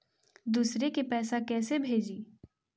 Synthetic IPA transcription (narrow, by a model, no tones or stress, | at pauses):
d̪uːsɾekepɛːsakɛːsebʱeːd͡ʒiː